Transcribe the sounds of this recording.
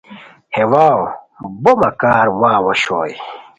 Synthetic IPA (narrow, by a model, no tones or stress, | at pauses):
hewaw | bomɐkaːɾwaːwɐɕoːj